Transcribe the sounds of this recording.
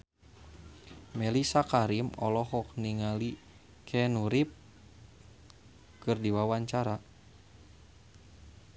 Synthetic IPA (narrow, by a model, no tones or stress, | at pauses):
mɛlisakaɾimɔlɔɦɔk̚niŋali | kʰɛnuɾip̚ | kɨrdiwawaɲt͡ʃaɾa